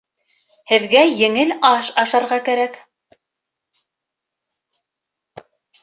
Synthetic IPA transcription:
hɘ̆ðɡæjɘ̆ŋɘlɑʃɑʃɑɾʁɑkæɾæk

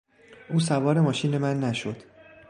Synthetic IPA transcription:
ʔuːs̬ævɒːɾe̞mɒːʃiːne̞mænːæʃod̪̥

